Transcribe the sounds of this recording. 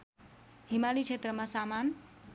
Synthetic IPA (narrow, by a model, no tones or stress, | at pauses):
ɦimalit͡ʃʰet̪ɾəmasaman